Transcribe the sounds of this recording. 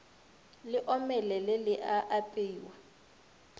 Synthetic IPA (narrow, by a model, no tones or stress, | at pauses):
lɪʔɔmɛlɛlɪlɪʔaʔapʼeiːwa